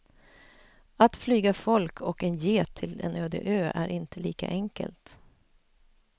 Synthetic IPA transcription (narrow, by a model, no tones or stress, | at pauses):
at̪flyːɡafɔlkʰɔkɛnjeːt̪ʰɪlɛ̰nøːd̪ɪ̰ʔøːʔæɾʔɪnt̪ʰəliːka̰ʔɛŋkə̰lt̪